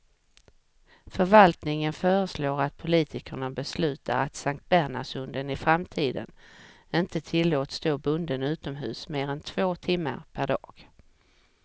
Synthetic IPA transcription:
fœɾvalt̪nɪŋənfœːɾəsloːɾat̪̚pʰʊliːt̪ʰɪkəɳabɛslʉ̟ːt̪ʰa̰ɾa̰t̪saŋk̚t̪̚bæɾɳa̰ʂɵnd̪ənɪfɾamt̪ʰiːd̪ə̰n | ɪnt̪ət̪ʰɪlːoːt̪st̪oːbɵnd̪ənʉ̟ːt̪ɔmɦʉ̟ːsmeːɾɛnt̪ʰv̥oːt̪ʰɪmːə̰ɾpʰæɖɑ̰ːɡ̥

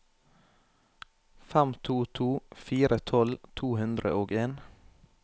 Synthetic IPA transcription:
fæmt̪ʰuːt̪ʰuːfiːɾət̪ʰɔlt̪ʰuːhʉnd̪ɾə̰ʔoːɡeːn

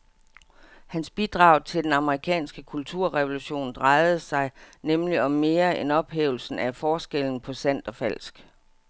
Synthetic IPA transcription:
hænsb̥id̥ʁɑ̈ʊt͡sʰe̝ld̥enɑ̈məʁikʰɛ̰ːnsɡ̥əkʰult͡sʰuɐ̰ʁɛʋo̝luɕo̝̰ːnd̥ʁɑ̈ɪð̩ˠəsɑ̈ɪnemliɒ̽mːe̝ːɐenɒ̽b̥ɦḛːʊl̩sn̩æfɒːsɡ̥el̰n̩pʰɒ̽sæn̰d̥ɒ̽fæl̰sɡ̥

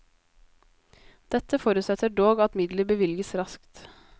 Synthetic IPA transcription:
d̪̥ɛt̪əfoːɾʉt̪sɛt̪ʰəɖoːɡɑt̪mɪd̪ləbəʋɪlɡəsɾɑskt̪

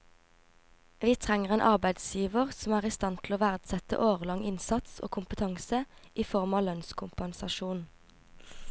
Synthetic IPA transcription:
ʋiːt̪ʰʁɛŋəʁeːnʔɑʁbæɪd̪sjiːʋəʁsɔmæːʁiːst̪ɑnt̪ʰl̩oːʋæʁd̪sɛt̪ə̰ʔoːʁəlɑŋɪnsɑt̪so̰ːkʰʊmpət̪ʰɑŋsəʔiːfɔʁmɑːlœnskʰʊmpɛnsɑʃuːn

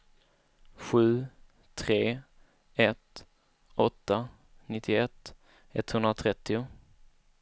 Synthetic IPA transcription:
ɧʉ̟ː | t̪ʰɾeː | ɛt̪ | ɔt̪ːa | nɪt̪ʰːɪɛt̪ː | ɛt̪hɵnɾat̪ʰɾɛt̪ːɪʊ

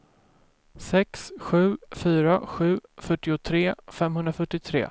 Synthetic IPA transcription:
sɛksɧʉ̟ːfyːɾaɧʉ̟ːfœʈːɪʊt̪ʰɾeːfɛmɦɵnd̪ɾafœʈːɪt̪ʰɾḛː

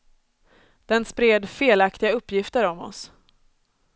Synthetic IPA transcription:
d̪̥ɛnspɾeːd̪feːlakt̪ɪɡaɵpːjɪft̪əɾɔmɔ̰s

